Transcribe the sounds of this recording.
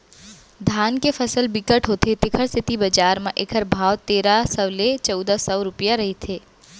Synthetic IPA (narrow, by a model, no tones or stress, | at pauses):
d̪ʱaːnkefʰəsəlbɪkəʈɦoːt̪et̪ɪkʰəɾsɪt̪ibɐd͡ʒaːɾmẽʔɪkʰəɾbʱaːʋt̪eːɾasɐʋlet͡ʃɔd̪asɔːɾʊpijaɾɐɦet̪ʰeː